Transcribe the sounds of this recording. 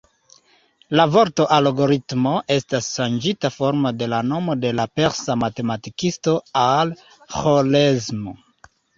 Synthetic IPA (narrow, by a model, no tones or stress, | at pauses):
lavo̞ɾtoʔalaɡo̞ɾitmo̞ʔe̞stasʃand͡ʒitafoɾmode̞lano̞mo̞de̞lape̞ɾsamate̞matikisto̞al | xolezmo